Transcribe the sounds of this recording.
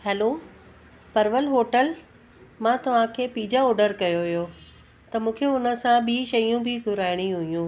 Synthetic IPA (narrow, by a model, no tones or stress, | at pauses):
hɛːlo | pɐɾʋəlɦoːʈəl | mãːt̪ɐʋ̤ãkʰeːpiːd͡ʑaɔːɖəɾkɐjoijo | t̪ɐmũːkʰeʊnə̆sãɓiːʃɐjũbʱɪɡʱʊɾaːɪɽ̃iɦuijũː